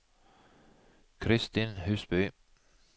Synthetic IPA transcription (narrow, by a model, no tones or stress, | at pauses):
kʰɾɪst̪inɦʉːsb̥yː